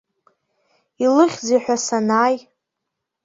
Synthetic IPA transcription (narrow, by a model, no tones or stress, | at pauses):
ilɨχʲd͡zejħʷᶣasanaːj